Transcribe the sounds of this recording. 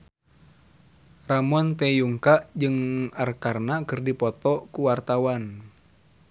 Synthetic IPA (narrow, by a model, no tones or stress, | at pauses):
ramɔnt̪ɛjuŋkaʔd͡ʒɨŋarkarnakɨrdipɔt̪ɔkuwart̪awan